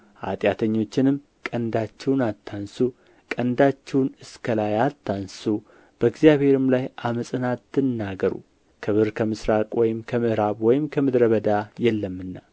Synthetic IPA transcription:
ʔa̰t̪ʼjat̪ʰəɲːo̞t͡ʃːɪnɨm | kʼənd̪at͡ʃːɛwnalt̪ʰːansu | kʼənd̪at͡ʃːɛwnɨskʰəlajalt̪ʰːansu | b̥əɨɡzijaβhe̞ɾɨmlajaməsʼɨnat̪ʰːɨnːaɡəɾṵ | kʰəβɨɾkʰəmɨsɾakʼwɔjɪmkʰəmɨʔɾaβwɔjɪmkʰəmɨd̪ɾəβəd̪ajɛlːəmːɨnːa

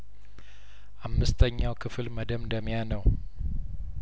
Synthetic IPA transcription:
ʔamːɨst̪ʰəɲːawkʰɨfɨlməd̪əmd̪əmjanəw

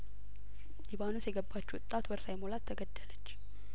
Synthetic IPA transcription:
libanusjɛɡəbːat͡ʃːuʊt̪ʼːat̪wəɾsajmolat̪ʰːəɡəd̪ːələt͡ʃː

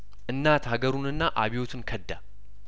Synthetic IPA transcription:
ʔɨnːat̪haɡəɾunɨnːaʔaβiwo̞t̪ʰɨnkʰəd̪ːa

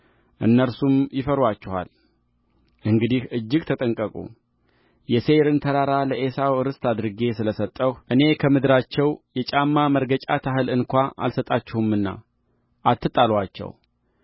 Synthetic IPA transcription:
ʔɨ̰nːəɾsumjɪfəɾwat͡ʃːɛha̰l | ʔɨŋɡɨd̪ihʔɨd͡ʒːɪɡt̪ʰət̪ʼəŋkʼəkʼṵ | jɛse̞ɾɨnt̪ʰəɾaɾaləʔesawɨɾɨst̪ʰad̪ɾɨɡe̞sɨləsət̪ʼːəhʔɨne̞kʰəmɨd̪ɾat͡ʃːɛwjɛt͡ʃʼamːaməɾɡət͡ʃʼat̪ʰaɦɨlɨnkʷaʔa̰lsət̪ʼat͡ʃːɛhumɨnːa̰ | ʔat̪ːɨt̪ʼalwat͡ʃːɛ̰w

